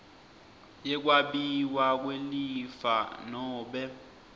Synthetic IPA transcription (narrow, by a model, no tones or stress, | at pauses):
jɛk̬ʼwaɓiwak̬ʼwelifanɔːɓɛ